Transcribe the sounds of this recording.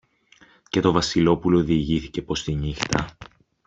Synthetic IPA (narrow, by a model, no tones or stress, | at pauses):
ce̞t̪o̞vɐsilo̞pulo̞ːðiʝiθice̞po̞st̪iɲixt̪ɐ